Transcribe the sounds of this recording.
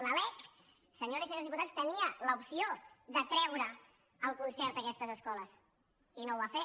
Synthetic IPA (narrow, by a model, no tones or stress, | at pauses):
nəlɛk | səɲoɾisəɲoɾzðip̬ut̪at͡sst̪əniələupsioðət̪ɾɛwɾə | əlˠkunsɛɾt̪əkɛst̪əzəskɔləs | inowβafe